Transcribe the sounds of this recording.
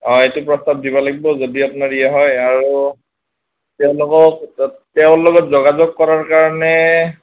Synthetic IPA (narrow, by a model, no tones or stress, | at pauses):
ɔ̃etʊpɹɔstab̚dibɔlaɡibɔzodiapʊnaɹijaɦɔjaɹu | tɛʊ̃lʊkɔk̚tɛʊ̃lɔɡɔtzɔɡazɔɡ̚kɔɹaɹkaɹɔnɛ